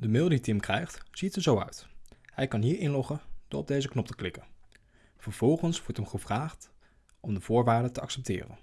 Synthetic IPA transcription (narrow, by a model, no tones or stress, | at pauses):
dəmɪlˠditɪmkrɛjχtz̥itəzowœ̰ɥthɛjkɑnɦiːɹɪnlɔχənd̥ʊːɹɔb̚dejzəknɔp̚tə̥klɪkən | v̥əɹv̥ɔlˠχənsʋɔɹtəmχəvraːχt | ʔɔmdəv̥ʊːɹʋaːɹdətəɑksɛp̚tɪ̰ːrə̰n